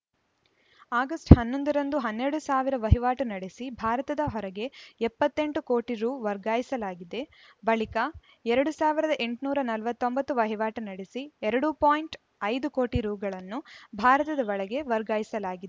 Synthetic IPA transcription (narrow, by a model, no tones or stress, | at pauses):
aːɡɐsʈhɐnːond̪ɐɾɐnd̪uɦɐnːeɾɐɽusaːʋiɾɐʋɐɦiʋaːʈunɐɽesibʱaːɾɐt̪ɐd̪ɐɦɔɾɐɡe̞ɛpːɐt̪ːe̞ɳʈuko̞ːʈiɾuːʋɐɾɡaːjisɐlaːɡid̪e̞ | bɐɭikɐ | ɛɾɐɽusaːʋiɾɐd̪ɐʔe̞ɳʈnuːɾɐnɐlʋɐt̪ːo̞mbɐt̪ːuʋɐɦiʋaːʈunɐɽesiɛɾɐɽupaːjɳʈ | ɐjd̪ukoːʈiɾuːɡɐɭɐnːubʱaːɾɐt̪ɐd̪ɐʋɐɭɐɡe̞ʋɐɾɡaːjisɐlaːɡid̪e